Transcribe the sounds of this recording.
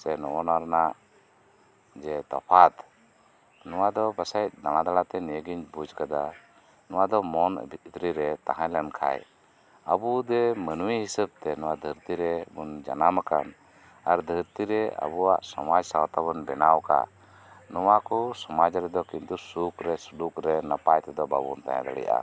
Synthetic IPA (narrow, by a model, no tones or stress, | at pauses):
sɛnɔʔɔnaɾnaʔ | d͡ʒɛt̪ɔpʰat̪ | nɔwad̪ɔbəsajt̪̚d̪aɽ̃ad̪alat̪ɛniɡiɲt͡ʃbud͡ʒkad̪a | nɔwad̪ɔmɔnbʱiit̪ɾiɾɛt̪aɦãlankʰa̰j | əbud̪ɛmənuwiɦisəb̚t̪ɛnɔwad̪ʱəɾt̪iɾɛbund͡ʒa̰namaka̰n | aɾd̪ʱəɾt̪iɾɛə̰buwa̰ʔsɔmad͡ʒsawat̪aβənbɛnawka̰ | nɔwakɔsɔmad͡ʒɾɛd̪ɔkint̪usukɾɛslukɾɛnapajt̪ɛd̪ɔba̰bṵnt̪a̰ja̰d̪a̰ɽɛ̰jʔa̰